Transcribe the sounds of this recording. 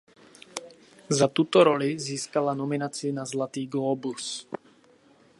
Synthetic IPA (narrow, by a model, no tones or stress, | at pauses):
zat̪ut̪ɔɾɔliziːskalanɔminat͡siinazlat̪iːɡlɔːbus